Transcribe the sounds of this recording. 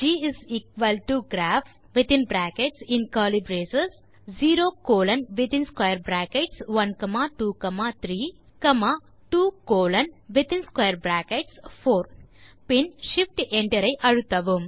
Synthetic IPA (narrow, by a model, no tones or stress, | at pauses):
d͡ʒiːiziːkʋɐlʈuɡɾæːf | ʋit̪ĩnbɾæːkeʈsĩnkaːlibɾeːsɐs | ziːɾoːkoːlɐ̃nʋit̪ĩnskwajɐɾbɾæːkeʈsʋɐnkɐmaːʈuːkɐmaːt̪ʰɾiː | kɐmaː | ʈuːkoːlɐnʋit̪ĩnskwajɐɾbɾæːkeʈspʰoːɾpinʃifʈẽɳʈɐɾɐjʔɐɽut̪ɐʋum